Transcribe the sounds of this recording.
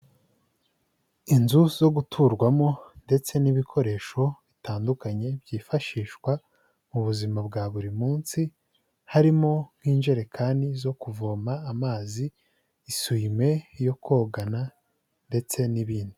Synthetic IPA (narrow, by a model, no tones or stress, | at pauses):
inzuzo̞ɡutʰuːɾɡwamo̞nde̞t͡se̞niβikʰo̞ɾe̞ːʃo̞βitaːndukaɲe̞bɟiːfaʃiːʃkwa | muβuzimabɡaːβuɾimuːnsi | haɾimo̞ŋ̥hiːnd͡ʒe̞ɾe̞kʰaːnizo̞kuvoːmaːmaːziː | swime̞jo̞kʰo̞ːɡana | nde̞t͡se̞niβiːndi